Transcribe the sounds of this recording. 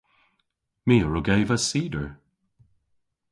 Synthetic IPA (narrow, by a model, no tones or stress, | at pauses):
miːəɹʊɡejvəsiːdəɹ